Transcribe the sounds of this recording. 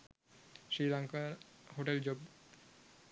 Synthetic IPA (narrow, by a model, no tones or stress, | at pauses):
ʃilaŋkaɾhoʈeld͡ʑob